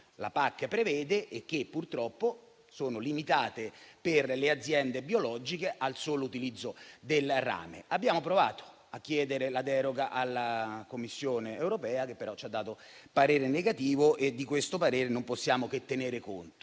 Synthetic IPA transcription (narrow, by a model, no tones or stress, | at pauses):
la̰pakːpɾevɛːd̪eʔːk̟ːepːurt̪ɾɔpːo | soːnolimit̪aːt̪eperlead̪zːjɛnd̪ebiolɔd͡ʒikeʔalsoːlout̪ilid̪zːod̪elra̰ːmḛabːjaːmopɾovaːt̪o̥ | ak̟ːjɛːd̪eɾelad̪ɛːɾoɡaʔalːakomːisːjoːneːwɾopɛːak̟epːeɾɔt͡ʃːad̪ːaːt̪opaɾeːɾeneɡat̪iːvoʔed̪ːikwest̪opaɾeːɾenomposːjaːmoket̪ːeneːɾekont̪o